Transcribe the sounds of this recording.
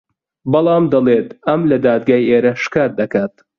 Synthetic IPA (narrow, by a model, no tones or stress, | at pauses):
bɐlˠɑːmd̪ɐlˠeːt̪ɐmlɐd̪aːd̪̚ɡaːjʔeːɾɐʃkaːt̪̚d̪ɐkaːt̪̚